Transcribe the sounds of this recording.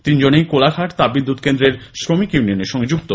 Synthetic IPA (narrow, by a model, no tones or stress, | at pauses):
t̪ind͡ʑonejkolakʰaʈt̪abid̪ːud̪kend̪ɾeɾʃɾomikjunioneɾʃɔŋɡed͡ʑuk̚t̪o